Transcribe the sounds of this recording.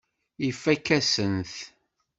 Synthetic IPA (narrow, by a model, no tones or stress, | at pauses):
ifːækːæsənθ